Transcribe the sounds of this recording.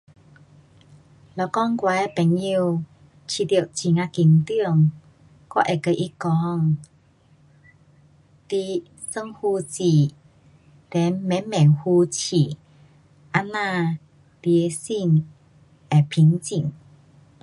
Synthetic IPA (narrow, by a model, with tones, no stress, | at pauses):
lɔ˧˨˩kɔ˥˧ŋkwa˧˦ɛ˧pɛ˨˩ŋi˧w | t͡ɕʰi˧˩t̪i˧˩ə˨wʔt͡ɕi˨˩ŋa˧ki˧ŋt̪i˥˧ə˨ŋ | kɔ˧˥˦ʔɛ˨˩kə˧ʔi˧˦kɔ˧˦ŋ | t̪i˧ | sə˧ŋhu˧t͡ɕi˨˩ | t̪ɛ˨˦nmɛ˨˦mɛ˨˩hu˧t͡ɕʰi˨˩ | ʔa˧nã˧ | t̪i˧e˧si˥˧ŋ | ɛ˨˩pʰi˧˦ŋt͡ɕi˨˩˨ŋ